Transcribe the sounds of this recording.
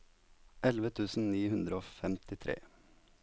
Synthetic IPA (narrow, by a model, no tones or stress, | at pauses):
ʔɛlʋət̪ʰʉːsn̩niːhʉnd̪ɾəoːfɛmt̪ɪt̪ʰɾḛː